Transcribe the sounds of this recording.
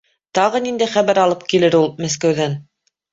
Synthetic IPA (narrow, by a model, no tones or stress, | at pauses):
t̪ɑʁɤnind̪æjχæβæɾɑlˠɤp̚kilɘɾulˠmæs̬kæwðæn